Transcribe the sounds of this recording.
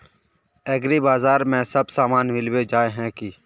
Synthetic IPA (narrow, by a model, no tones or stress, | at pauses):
ɛːɡɾiːbaːzaːɾmɛ̃ːsəbsaːmaːnmɪlweːd͡ʒaːeɦɛ̃ːkiː